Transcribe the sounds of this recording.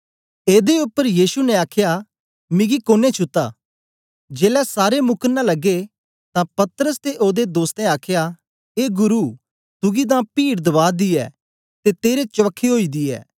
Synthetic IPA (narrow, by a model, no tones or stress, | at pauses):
eːd̪eʊpːəɾjiːsunɛaːkʰja | mɪ̃ɡikoːnet͡ʃʰʊt̪ːaː | d͡ʒeːlɛsaːɾemʊkʰənãlɐɡːe | t̪ãpɐt̪əɾəst̪eʔoːd̪ed̪oːst̪ɛ̃aːkʰja | eːɡʊɾu | t̪ʊɡid̪ãpiːɽd̪ɐʋaːd̪iɛ̰ː | t̪et̪eːɾet͡ʃɐʋəkʰːeɦoːid̪iɛ̰ː